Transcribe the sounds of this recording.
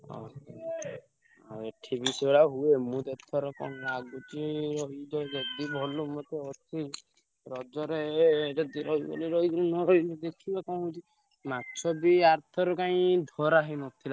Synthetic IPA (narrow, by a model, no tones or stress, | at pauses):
ɔ̰ | aeʈʰibisɔɭaɦuemũt̪et̪ʰɔɾɔkɔ̰naɡut͡ʃiɾɔɦid͡ʒɔd͡ʒɔd̪ibʱɔlumɔt̪eɔt͡ʃʰi | ɾɔd͡ʒɔɾed͡ʒɔd̪iɾɔɦibɔ̰liɾɔɦid͡ʒɾunɔɾɔɦid͡ʒɔd̪ekʰibakɔw̃ɦut͡ʃi | matːt͡ʃʰɔbiaɾt̪ʰɔɾɔkaĩd̪ʱɔɾaɦinɔt̪ʰila